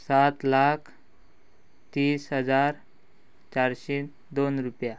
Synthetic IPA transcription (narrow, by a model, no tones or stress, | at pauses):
sat̪lakʰ | t̪iːsɦəd͡zaɾ | t͡ɕaɾɕe | d̪onɾupja